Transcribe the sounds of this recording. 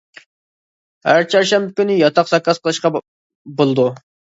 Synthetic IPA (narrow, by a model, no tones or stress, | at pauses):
hæɾt͡ʃʰɑɾʃɛmbɪkʲynɪjɑt̪ʰɑqsɑkʰːɑsqʰəlˠɨʃqɑ | bolˠd̪u